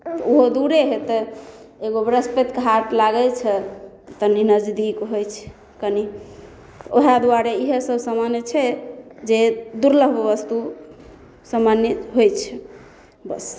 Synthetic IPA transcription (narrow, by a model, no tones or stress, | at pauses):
t̪uɦod̪uɾeɦet̪ə | eɡobɾəspet̪kɦaʈlaɡɛt͡ʃʰɛ | t̪əninəd͡ʒd̪ikɦojt͡ʃʰɛ̥ | kəni | oɦad̪uwaɾeiɦesəbsəmanjət͡ʃʰɛd͡ʒed̪uɾləɦbʋəst̪u | samanjəɦojt͡ʃʰɛ | bəs